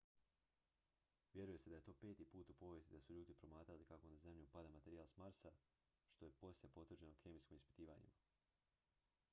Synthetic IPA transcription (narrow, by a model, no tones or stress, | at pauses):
ʋʲje̞ɾuje̞se̞d̪aje̞t̪o̞ːpe̞ːt̪iːpuːt̪upo̞ːʋjest̪id̪asuʎuːd̪ipɾo̞maːt̪ɾalikako̞naze̞mʎʲiupad̪amat̪eɾijalsmaɾsa | ʃt̪o̞je̞po̞slʲepo̞t̪ʋrd͡ʑeno̞kʰemiskimispi̥t̪iːʋaɲḭma